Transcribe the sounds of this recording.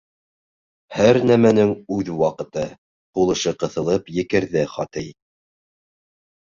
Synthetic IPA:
hæɾnæmænɘŋʉðwɑqɤ̆t̪ɤ | qulˠɤ̆ʃɤqɤ̆θɤ̆lˠɤpjɘ̆kɘ̆ɾðɘχɑt̪ɤj

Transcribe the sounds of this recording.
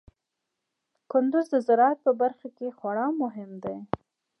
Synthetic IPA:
kʊnd̪ʊzd̪əzaɾɑat̪̚pəbaɾxakexwaɽɑmʊɦɪmd̪aj

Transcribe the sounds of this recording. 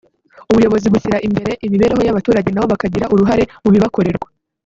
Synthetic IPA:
uβujo̞βo̞ziβuçiɾaʔimbe̞ɾe̞ʔimiβe̞ːɾeɦo̞jaβatuːɾaɟe̞naβo̞βakaɟiɾaʔuɾuɦaɾe̞muβiβako̞ɾe̞ɾɡwa

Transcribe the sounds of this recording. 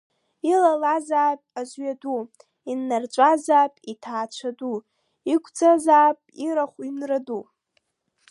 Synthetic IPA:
ilalazaːpʼazʷɥadu | inːart͡ʃʷʼazaːpʼitʰaːt͡ʃʷʰadu | ikʷʰʼd͡zazaːpʼiɾaχʷinradu

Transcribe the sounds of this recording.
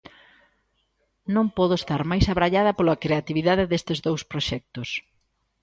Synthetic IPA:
nõŋpɔðʊest̪aɾmajsaβɾaʎaðɐpolɐkɾeat̪iβiðaðɪðest̪ɪzðowspɾoʃɛk̚t̪os

